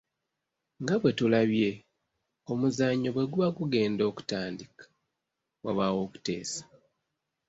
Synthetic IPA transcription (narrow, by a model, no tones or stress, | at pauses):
ŋɡaβwe̞tulaβje̞ | o̞muzaɲːo̞βwe̞ɡuβaɡuɡe̞ːndo̞ːku̥taːndikḁ | waβawo̞ːku̥te̞̰ːsḁ